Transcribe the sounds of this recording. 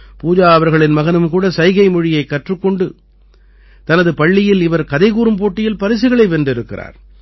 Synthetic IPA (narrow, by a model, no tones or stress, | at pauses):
puːd͡ʒaːɐʋɐɾɣɐɭɪnmɐɣɐnɯmkuːɽɐsɐɪɣɐɪmɔɻɪjɐɪkːɐʈrɯkːɔɳɖɯ | t̪ɐnɐðɯpɐɭːɪjɪlɪʋɐɾkɐðɐɪɣuːɾɯmpoːʈːɪjɪlpɐɾɪs̬ɪɣɐɭɐɪʋɛndrɪɾɯkːɪra̰ːɾ